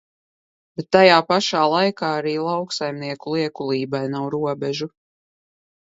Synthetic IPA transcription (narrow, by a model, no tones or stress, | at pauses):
bɛt̪ːajaːpaʃaːlˠajkaːaɾiːlˠawksajmniɛkulˠiɛkulˠiːbajnawɾuɔbɛʒu